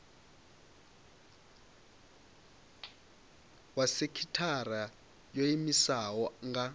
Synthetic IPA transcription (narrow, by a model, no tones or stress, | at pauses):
wasekʰitʰara | joimisawɔŋɡa